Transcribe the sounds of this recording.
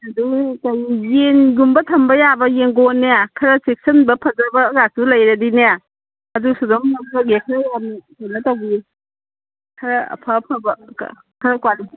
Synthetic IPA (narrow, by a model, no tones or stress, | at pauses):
ɐdukɐjjenɡumbɐtʰɐmbɐjabɐjenɡonːeakʰɐɾɐsek̚sɐnbɐpʰɐzɐbɐɡasulɐjɾɐdineja | ɐdusudɔŋɐɔɡekʰɐɾɐjanitonːɐtɐwɡi | kʰɐɾɐ̰pʰɐpʰɐbɐ̰ | kʰɐɾɐkwali